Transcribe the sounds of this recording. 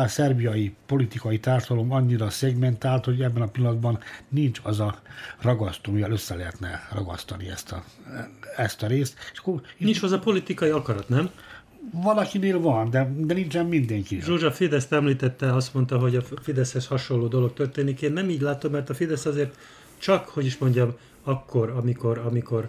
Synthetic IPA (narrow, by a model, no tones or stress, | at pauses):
sɛrbijɒjipo̞lit̪ikɒjit̪aːrʃɒd̪ɒlomɒɲːiɾɒsɛɡmɛnt̪aːlt̪ho̞ɟɛbːɛnɒpilːɒnd̪bɒnnint͡ʃɒzɒrɒɡɒst̪ojɒløsːɛlɛɦɛt̪nɛ̰rɒɡɒ̰st̪ɒniɛ̰st̪ɒ | ɛst̪ɒɾeːst̪eʃɒ̥kːoint͡ʃozɒpo̞lit̪ikɒjiɒkɒɾɒt̪nɛm | vɒlɒkineːlvɒnd̪ɛd̪ɛnint͡ʃɛmːind̪ɛŋkiʒoːʒɒfid̪ɛst̪ɛmliːt̪ɛt̪ːɛɒst̪mo̞nt̪ɒɦo̞ɟɒfid̪ɛshɛshɒʃo̞lːoːd̪o̞lo̞k̚t̪ørt̪eːnikeːnːɛmiːɟlaːt̪o̞mːɛrt̪ɒfid̪ɛsɒzeːrt̪ | t͡ʃɒkho̞ɟiʃmo̞ɲɟɒm | ɒkːo̞ɾɒmiko̞ɾɒmiko̞r